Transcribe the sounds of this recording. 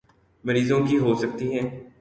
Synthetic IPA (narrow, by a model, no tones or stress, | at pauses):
mɐɾiːzõkiɦoːsɐk̚t̪iɦɛ̃ː